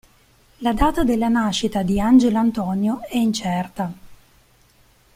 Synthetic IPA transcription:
lad̪aːt̪ad̪elːanaʃːit̪ad̪iand͡ʒelant̪ɔnjoɛint͡ʃɛrt̪a

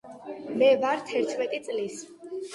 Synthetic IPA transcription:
mɛvaɾt̪ʰɛɾt̪ʰmɛt̪ʼit̪sʼlis

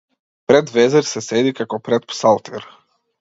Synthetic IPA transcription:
pɾɛd̪vɛzɛɾsɛsɛd̪ikakɔpɾɛt̪̚psalˠt̪ʰɛɾ

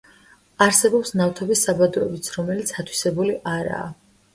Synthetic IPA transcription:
aɾsɛbɔpsnaft̪ʰɔbisːabad̪ɔɛbit̪sʰɾɔmɛlit̪sʰat̪ʰwi̥sɛbuliʔaɾa̰ː

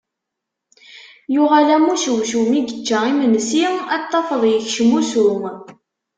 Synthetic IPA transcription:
jʊʁalæmuʃəwʃumiɡət͡ʃːæimənsiæt̪ˤːɑfəðˤjəçʃəmusu

